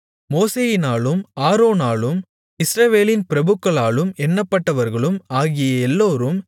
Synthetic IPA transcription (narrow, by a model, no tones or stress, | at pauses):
moːseːjɪnaːlɯmaːɾoːnaːlɯm | ɪsɾɐʋeːlɪnpɪɾɐbɯkːɐɭaːɭɯmɛnːɐpːɐʈːɐʋɐɾɣɐɭɯmaːɣɪjɐɛlːoːɾɯm